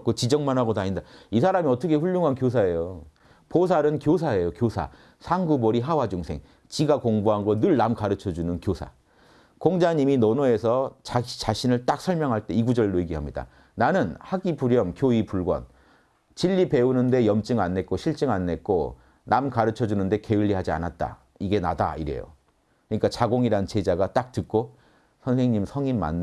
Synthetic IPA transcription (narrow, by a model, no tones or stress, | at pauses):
k͈ot͡ɕid͡ʑʌŋmanɦaɡodaɲindaisʰaɾamiʌt͈ʌkʰe̞ɸuʎːoŋɦankjos̬ʰae̞jo | pos̬ʰaɾɯnkjos̬ʰae̞jokjosʰa̰ | sʰaŋɡuboɾiɦawad͡ʑuŋsʰeŋ | t͡ɕiɡakoŋbuɦanɡonɯɭnamkaɾɯt͡ɕʰʌd͡ʑunɯnkjosʰa̰ | koŋd͡ʑaɲiminʌnoe̞sʰʌt͡ɕt͡ɕaɕʰinɯɭt͈ak̚sʰʌɭmjʌŋɦaɭt͈e̞iɡud͡ʑʌɭdoiɡiɦamɲida̰ | nanɯnhaɡipuɾjʌmkjoipuɭɡwʌ̰n | t͡ɕiʎːipe̞unɯnde̞jʌmt͡ɕ͈ɯŋanːe̞k͈̚oɕʰiɭt͡ɕ͈ɯŋanːe̞t̚k͈o | namkaɾɯt͡ɕʰʌd͡ʑunɯnde̞ke̞ɯʎːiɦad͡ʑia̰nat̚t͈a̰ | iɡe̞na̰da̰iɾe̞̰jo̰ | kkɯɲik͈at͡ɕaɡoŋiɾant͡ɕe̞d͡ʑaɡat͈ak̚tɯk̚k͈o | sʰʌnsʰeŋɲimsʰʌŋimːa̰nː